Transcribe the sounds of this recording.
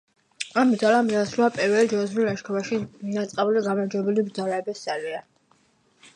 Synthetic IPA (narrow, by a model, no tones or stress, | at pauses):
ambɾd̪zalamasɾulapʼɛvɛld͡ʒɔzɾilaʃkʰɔvaʃinat̪sʼqʼabuliɡamaɾd͡ʒɔbɛlibɾd̪zalaːbisalia